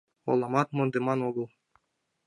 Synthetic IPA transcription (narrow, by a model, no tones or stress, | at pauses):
o̰lˠɑmɑt̪mŏnd̪emɑnoɡɤ̆lˠ